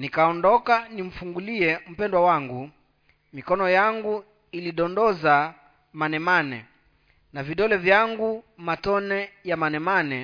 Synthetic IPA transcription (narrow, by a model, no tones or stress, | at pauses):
nikaɔndɔkanim̩fuŋɡuliɛm̩pɛndwawaŋɡu | mikɔnɔjaŋɡu | iliɗɔndɔza | manɛmanɛ̰ | naviɗɔlɛvjaŋɡumatɔnɛjamanɛmanɛ